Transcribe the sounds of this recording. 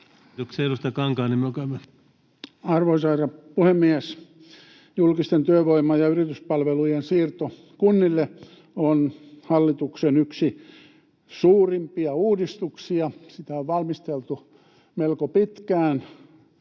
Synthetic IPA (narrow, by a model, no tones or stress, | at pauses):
okseeɾust̪ɑkɑŋkɑːnimmeøokæyme | ɑrʋoisɑirɑpuhemːiæs | julkist̪ent̪yøʋoimɑjjɑyrit̪yspɑlʋelujensiːrt̪o | kunːilːe | onhɑlːit̪uksenyksi | suːrimpiɑuːdist̪uksiɑsit̪æoʋʋɑlmist̪elt̪u | melkopit̪kæːn